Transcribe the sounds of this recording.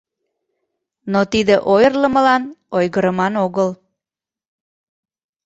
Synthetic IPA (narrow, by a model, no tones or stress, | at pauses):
not̪id̪əʔojərləməlɑnojɣəɾəmɑnoɣəl